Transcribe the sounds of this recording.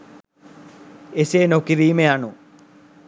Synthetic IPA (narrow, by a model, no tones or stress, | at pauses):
eseːnokːiriːmejaːɳu